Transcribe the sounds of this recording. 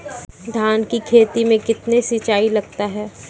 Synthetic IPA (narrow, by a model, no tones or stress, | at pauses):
d̪ʱaːnkikʰeːt̪imẽkɪt̪nesit͡ʃaːilɐɡ̚t̪aɦɛː